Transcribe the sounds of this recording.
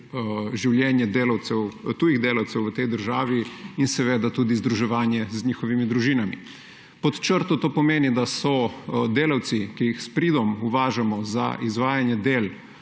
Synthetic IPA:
ʒiwljɛːnjɛd̪eːlawt̪sɛwt̪uːjiɣd̪eːlawt̪sɛwʋət̪ɛjd̪əɾʒaːʋiinsɛʋeːd̪at̪uːd̪izd̪ɾuʒɛʋaːnjɛzɲiːxɔʋimid̪ɾuʒiːnamḭ | pɔt̪t͡ʃəɾt̪ɔt̪oːpɔmeːnid̪asɔd̪eːlawt̪sikijixspɾiːd̪ɔmuʋaːʒamɔza̰ʔizʋaːjanjɛd̪eːl

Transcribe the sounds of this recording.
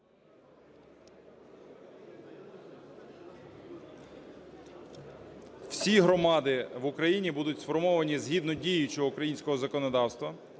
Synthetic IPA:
w̥sʲiɦɾɔmɑd̪ɪʋʊkɾɐjinʲibud̪ʊtʲsfɔrmɔʋɐnʲizɦid̪nɔdʲijʊt͡ʃɔɔukɾɐjinʲsʲkɔɦɔzɐkɔnɔd̪ɑwst̪ʋɐ

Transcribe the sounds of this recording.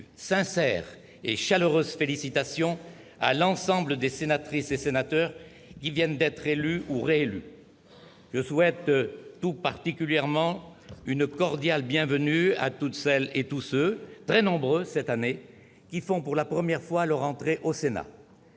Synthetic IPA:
sɛ̃sɛʁ | eʃaløʁøzfelisit̪asjɔ̃ | a̰lɑ̃sɑ̃bləd̪esenat̪χisesenat̪œʁ | kʲivjɛnd̪ɛt̪χelyuʁeely | ʒəswɛt̪t̪upaʁt̪ikʲyljɛʁmɑ̃ynkɔʁd̪jalbjɛ̃vənya̰t̪ut̪sɛlet̪usøt̪χɛnɔ̃bʁøsɛt̪ane | kʲifɔ̃puʁlapχəmjɛʁfwalœʁɑ̃t̪χeʔosena̰

